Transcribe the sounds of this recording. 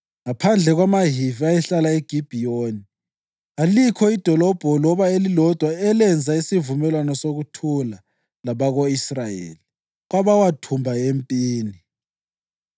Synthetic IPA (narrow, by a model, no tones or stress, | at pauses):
ŋapʰand͡ɮʱɛɣwamaɦiviajɛɬalaeɡ̥ʱib̥ʱioni | alikʰɔid̥ʱɔlɔb̥ʱɔlɔβaelilɔd̥ʱwaɛlɛnd͡zʱaisivumɛlwanɔsoɣutʰula | laβaɣoisrajḛːli | ɣ̬waβawatʰumbʱaempʼiːni